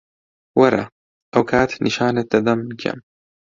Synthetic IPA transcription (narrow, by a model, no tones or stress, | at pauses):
wɑɾˤɑ̰ | ʔɐwkaːt̪niʃaːnat̪ːad̪amkʰa̰m